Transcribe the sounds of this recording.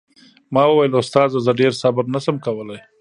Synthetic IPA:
mɑwəwajəlʊst̪ɑzazaɖeɾsɑbɪbnasəmkawəlaj

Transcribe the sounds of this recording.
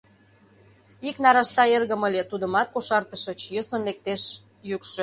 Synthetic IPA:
iknɑɾɑʃt̪ɑerɣəməlʲet̪ud̪əmɑt̪̚koʃɑrt̪əʃət͡ɕjəsənlek̚t̪eʃ | jykʃø̆

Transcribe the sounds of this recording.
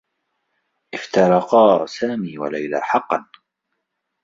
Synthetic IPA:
ʔɪft̪ɑɾˤɑqɑːsaːmiːwa̰lajla̰ːħɑqːɑn

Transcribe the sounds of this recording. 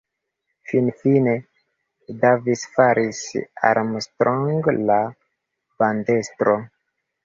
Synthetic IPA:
finfine | davisfaɾisa̰ɾmstɾʔoŋɡla | b̥andestɾo

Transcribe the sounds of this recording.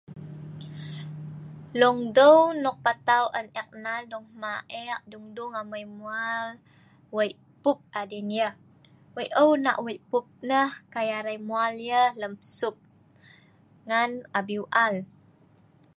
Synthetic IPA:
lɔŋdəwnɔk̚pat̪awʔənɛk̚naldɔŋmaʔɛʔ̚duŋduŋaməjmual | wəjʔ | pup̚adinjəh | wəjʔəwna̰ʔwəjpup̚nəhkajaɾajmualjələmpə̥sup̚ | ŋanabiwʔal

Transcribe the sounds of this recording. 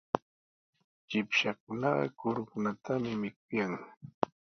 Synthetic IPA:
t͡ʃɪpʃak̚ʊnɑɢɑ̰kʊɾʊkʊnat̪amɪmɪk̚ʊjaŋ

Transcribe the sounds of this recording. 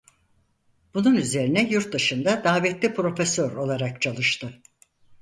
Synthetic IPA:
b̥ununyze̞ɾinɛjuɾt̪̚d̪ɯʃɯmd̪ad̪aːvɛt̪lʲipɾo̞fesøɾo̞lˠaɾakt͡ʃʰalˠɯʃt̪ɯ

